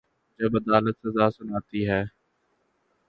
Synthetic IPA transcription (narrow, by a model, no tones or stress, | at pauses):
d͡ʒəbəd̪aːlət̪səzaːsʊnaːt̪iːɦɛː